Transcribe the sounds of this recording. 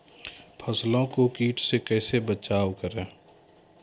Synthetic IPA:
pʰəslõkokiːʈʰsekɛːsebət͡ʃaːwkəɾẽː

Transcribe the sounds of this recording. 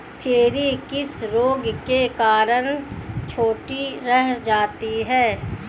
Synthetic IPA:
t͡ʃeːɾikɪsɾoːɡkekaːɾənt͡ʃʰoːʈiɾɛɦd͡ʒaːt̪iɦɛː

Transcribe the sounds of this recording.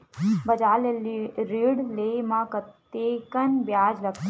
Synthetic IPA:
bɐd͡ʒaːleɾiɽlemãkɐt̪ːekɐnbjaːd͡ʒlɐkt̪ʰ

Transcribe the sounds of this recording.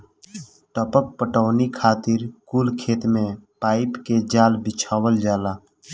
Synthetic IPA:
ʈəpək̚pəʈəːnikʰaːt̪ɪɾkuːlkʰeːt̪mẽpaːɪpked͡ʒaːlbɪt͡ʃʰaːʋəld͡ʒaːlaː

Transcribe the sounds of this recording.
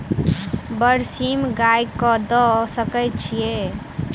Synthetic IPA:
bəɾsimɡajkɔd̪ɔsəkəjt͡ʃʰije

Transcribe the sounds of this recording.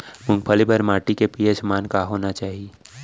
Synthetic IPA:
mʊ̃ŋɡpʰəlibəɾmaːʈikepiesmaːnkaɦoːnat͡ʃaːɦie

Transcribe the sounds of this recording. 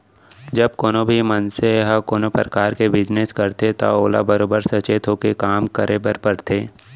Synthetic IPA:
d͡ʒɐb̚koːnobʱimənseɦɐkoːnopɾəkaːɾkebɪd͡ʒneskɐɾt̪et̪o̰oːla̰bəɾoːbəɾsɐt͡ʃet̪ʰokekaːmkəɾʔebəɾpɐɾt̪ʰeː

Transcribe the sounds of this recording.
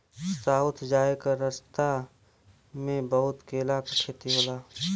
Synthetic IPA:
saːʊt̪ʰd͡ʒaːekaɾəst̪a | mẽbəɦʊt̪keːlakkʰeːt̪iɦoːlaː

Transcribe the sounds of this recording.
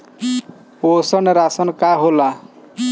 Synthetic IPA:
osɔneɾasɔnkaɦola

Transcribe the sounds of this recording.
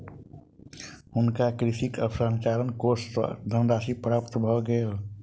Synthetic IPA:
ʊnkakɾɪʃikəpsãnt͡ʃaːɾənkosd̪ʱənd̪aːsipɾapt̪bʱɔɡəa

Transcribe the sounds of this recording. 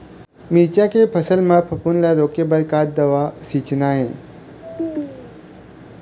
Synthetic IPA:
mit͡ʃakepʰəsəlmãpʰəpunlaɾoːkebəɾkaːt̪̚d̪əʋasit͡ʃnaɦẽ

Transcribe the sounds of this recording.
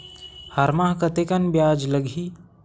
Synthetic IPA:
hɐɾmaːɦkət̪ekənbjaːd͡ʒləɡʱiː

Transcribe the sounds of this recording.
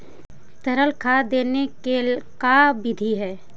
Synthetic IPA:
t̪əɾəlkʰad̪eːnekekabɪd̪ʱiɦɛː

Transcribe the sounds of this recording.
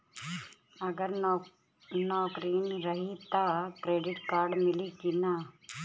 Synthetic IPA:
ɐɡəɾ | nɔːkɾiːnɾɐɦit̪akɾeːɖɪʈkaːɾɖmɪlikina

